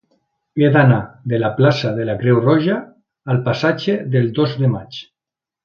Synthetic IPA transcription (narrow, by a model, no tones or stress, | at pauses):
ed̪anaðelaplasaðelakɾewrɔʒaː | lˠpasad͡ʒeðelˠd̪ozðemat͡ʃ